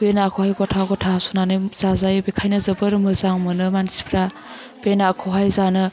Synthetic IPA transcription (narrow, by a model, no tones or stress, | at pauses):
enakʰohajɡɔtʰaɡɔtʰasunanɯz̥azajbekʰajnɯzɐbəɾmɯzaŋmɯnɯmansi̥pʰɾa | b̥enakʰɔɦajzanɯ